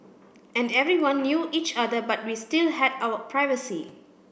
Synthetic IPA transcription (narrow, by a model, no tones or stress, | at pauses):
ɛ̃ndɛvɹiwãnːjuʔit͡ʃadəbat̚wistilhɛdaʊəpʰɹaɪvəsi